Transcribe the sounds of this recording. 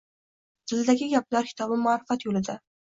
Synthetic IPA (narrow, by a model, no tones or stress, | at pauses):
d̪̥ɪld̪aɡʲɪɡʲap̚laɾkʰʲɪ̥t̪ɒbɪmʊɑɾɪfat̪jolɪd̪ɪ